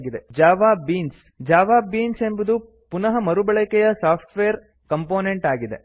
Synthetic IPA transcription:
ɡid̪ed͡ʒaːʋaːbiːns | d͡ʒaːʋaːbiːnse̞mbɐd̪u | punɐɦɐmɐɾubɐɭɛkɛjɐsaːpʰʈʋeːɾ | kɐmpo̞ːneɳʈaːɡid̪e̞̰

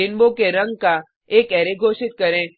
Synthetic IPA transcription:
ɪnbõkeɾɐ̃ŋɡ̚ka | eːkɛːɾeɡʱoːʃɪt̪̚kɐɾẽː

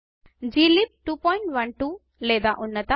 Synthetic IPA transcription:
d͡ʒiːlip̚ʈuːpɔːjɳʈʋɐnʈuː | lɛːd̪aːʔunːɐt̪ɐ

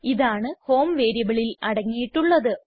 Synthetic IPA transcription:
iðaːɳɨho̞ːmʋe̞ːɾjɐbɐɭilɐɽɐŋːijiʈːuɭːɐðɨ

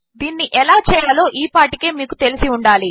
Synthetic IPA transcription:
d̪iːnːiʔɛlaːt͡ʃɛːjɐlo̞ːʔiːpaːʈike̞ːmiːkut̪e̞lisiuɳɖaːli

